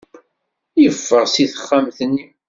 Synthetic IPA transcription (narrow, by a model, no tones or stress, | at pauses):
jəfːəʁsiθə̥χːamθənːi